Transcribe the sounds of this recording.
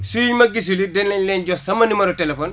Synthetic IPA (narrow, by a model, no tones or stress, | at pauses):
suiɲmɐɡis̬ulidɛnlɛlɛnɟosɐmɐnimɐɾutelefoːn